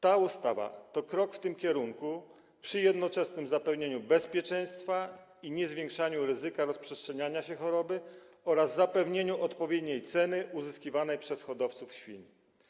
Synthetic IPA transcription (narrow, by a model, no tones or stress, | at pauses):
t̪aust̪ava̰t̪ɔkɾɔkft̪ɘmkʲɛɾuŋku | pʂɘjɛd̪nɔt͡ʂɛsnɘmzapɛvɲeɲubɛspʲjɛt͡ʂɛ̃j̃st̪fa | iɲɛzvʲjeŋkʂaɲuɾɘzɘkaɾɔspʂɛstʂɛɲaɲaɕɛxɔɾɔbɘ | ɔɾazːapɛvɲeɲuʔɔt̪pɔvʲjed̪ɲejt̪sɛnɘʔuzɘskʲivanɛjpʂɛsxɔd̪ɔft̪sufɕfʲḭɲ